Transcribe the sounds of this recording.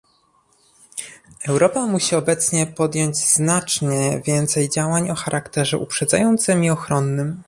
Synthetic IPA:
ɛwɾɔpamuɕiɔbɛt̪sɲɛpɔd̪jɔɲd͡ʑznat͡ʂɲɛvʲjɛnt̪sɛjd͡ʑawaɲɔxaɾʔakt̪ɛʐɛ̰ʔupʂɛd̪zajɔnt̪sɘmiɔxɾɔnːɘm

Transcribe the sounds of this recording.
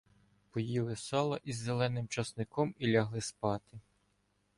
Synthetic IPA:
pɔjilˠɪsɑlˠɐʔizːelˠɛnɪmt͡ʃɐsnɪkɔmilʲɐɦlˠɪspɑt̪ɪ

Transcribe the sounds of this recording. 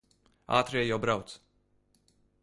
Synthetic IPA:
a̰ːt̪ɾeːjɔbɾawt̪s

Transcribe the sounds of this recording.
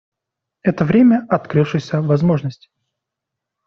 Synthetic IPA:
ɛt̪əvɾʲemʲəɐt̪kɾɨfʂɨjsʲəvɐzmo̞ʐnəsʲtʲɪ̥

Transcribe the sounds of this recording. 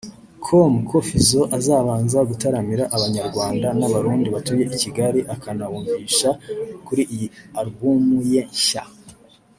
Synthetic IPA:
kʰomukʰofizo̞ʔazaːβaːnzaɡutaɾamiɾaʔːβaɲaɾɡwaːndanaβaɾuːndiβatuje̞ʔiciɡaɾiʔakanawuːɱviːʃakuɾiʔijiaɾbumujeɲʃa̰

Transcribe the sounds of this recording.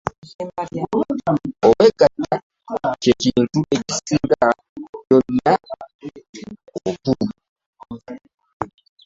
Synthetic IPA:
oweɡatːa | cecintuecisiːŋɡa | jo̞nːa | okuu

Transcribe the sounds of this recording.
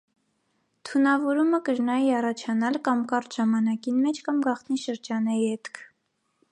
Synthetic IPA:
t̪ʰunɑvɔɾuməkəɾnɑjiɑrɑt͡ʃʰɑnɑlkɑmkɑɾt̪ʒ̥ɑmɑnɑkinmɛt͡ʃʰkɑmɡɑχt̪niʃəɾd͡ʒɑnɛihɛt̪kʰ

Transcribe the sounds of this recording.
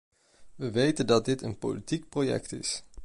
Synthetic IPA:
ʋəʋejtəndɑt̚dɪtənpo̰litik̚projɛ̰k̚tɪ̰s

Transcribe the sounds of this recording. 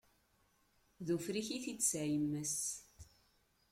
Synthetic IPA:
ðufɾiçiθit͡sːsæjəmːəs

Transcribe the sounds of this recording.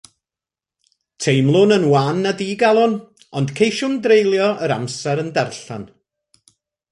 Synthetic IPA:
tʰejmlˠʊnənwanːədiːɡalˠɔn | ɔnd̥kʰejʃʊmdrejlˠjɔʔəɾa̰msɛɾəndɛrɬan

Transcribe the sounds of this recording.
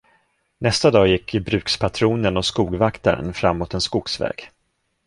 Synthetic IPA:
nɛst̪ad̪ɑːjɪkːɪbɾʉ̟ːkspʰat̪ʰɾuːnənɔskuːɡvakt̪a̰ɾə̰nfɾamːoːt̪ɛnskʊɡsvɛ̰ːɡ̥

